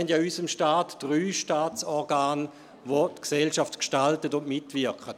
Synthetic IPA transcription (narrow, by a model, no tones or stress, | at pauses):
ɛndjaːysəmʃtaːtd̥ʁyːʃtaːt͡sɔʁɡaːn | ʋotksɛlʃaftkʃtaltətʊnmɪtʋɪɐkχət